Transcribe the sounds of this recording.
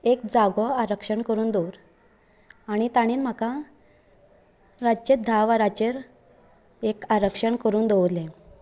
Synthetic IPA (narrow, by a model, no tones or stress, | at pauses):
ekd͡zaɡɔaɾəkʂəɳkəɾuːnd̪oɾ | aɽ̃it̪aɽ̃iːnm̤akã | ɾat͡ɕet̪̚d̪ʱaʋaɾat͡ɕeɾ | ekaɾəkʂəɳkəɾuːnd̪oʋd̪le